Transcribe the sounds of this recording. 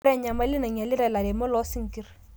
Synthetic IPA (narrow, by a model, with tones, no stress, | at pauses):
ɾɛ˦ɲa˨ma˦lɪ˦na˨ɲa˨lɪ˦ɾa˦˨la˨ɾe˨mɔ˦lɔ˦si˦ŋ˦ki˦ɾ